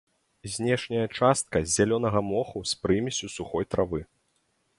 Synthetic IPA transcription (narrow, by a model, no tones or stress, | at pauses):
zʲnʲɛʂnʲɐjɐt͡ʂast̪̚kɐzʲalʲɔn̪ɐɣɐmɔxuspɾɨmʲisʲusuxɔjt̪ɾavɨ